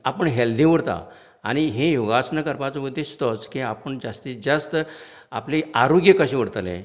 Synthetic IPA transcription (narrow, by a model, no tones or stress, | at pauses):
apəɳɦɛld̪ĩʋəɽt̪a̰ | a̰ɽ̃iɦejoɡasnəkəɾpat͡sməd̪ʱːest̪ɔt͡skĩapəɳd͡zast̪id͡zəst̪ | a̰pliaɾoɡjəkəɕĩʋəɽt̪alḛ̃